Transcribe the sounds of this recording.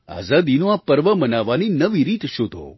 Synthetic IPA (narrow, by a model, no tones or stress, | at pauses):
a̰ːzad̪inõapəɾʋəmənaʋaninəʋiɾiːt̪ʃod̪ʱo̰